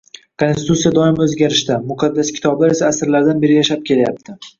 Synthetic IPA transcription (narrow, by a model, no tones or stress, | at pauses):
kʰonst̪ɪt̪ut̪sijad̪ɒɪmɵzɡʲaɾɪʃt̪amʊqʰɑd̪ːaskʲʰɪ̥t̪ʰɒblaɾe̞saːsɪɾlaɾd̪anbe̞ɾɪjaʃap̚kʲʰe̞laja̰p̚t̪ʰɪ